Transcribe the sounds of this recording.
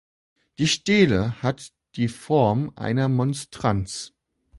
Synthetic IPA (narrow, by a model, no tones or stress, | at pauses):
d̥iːʃteːləhat | d̥iːfɔɐmʔa̰ɪnɐmɔnstʁ̥ant͡s